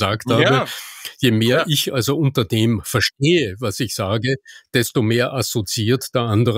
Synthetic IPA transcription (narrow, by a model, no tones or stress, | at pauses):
zaːkthaːbəjeːmeːɐʔɪçʔa̰lzoʔʊ̃ntɐd̥eːmfɛɐʃteːəvasɪçz̥aːɡəd̥ɛstomeːɐʔasot͡siiːɐtd̥eːɐʔandəʁ